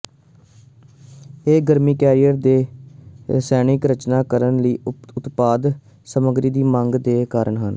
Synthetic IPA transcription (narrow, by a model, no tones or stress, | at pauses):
eːɡəɾmiːkɛːɾijəɾd̪eː | sɛːñɪkɾət͡ʃnaːkəɾənləiːʊt̪paːd̪ | səməɡɾiːd̪iːməŋɡd̪eːkaːɾəɳɦən